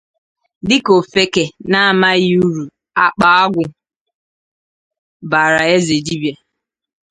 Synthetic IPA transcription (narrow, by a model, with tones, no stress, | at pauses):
dɪ˦ko˨fe˦ke˨na˦a˨ma˦ju˦ɾu˨ | a˦k͡pa˨a˦ɡʷʊ˨ | ba˨ɾa˨e˦ze˨d͡ʒi˦bje˨